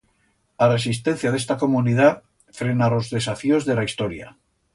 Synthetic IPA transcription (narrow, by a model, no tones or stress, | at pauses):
are̞s̬ist̪e̞n̟θjað̞est̪ako̞muniða | fɾe̞nalo̞zðe̞safio̞zðe̞laist̪o̞ɾja̰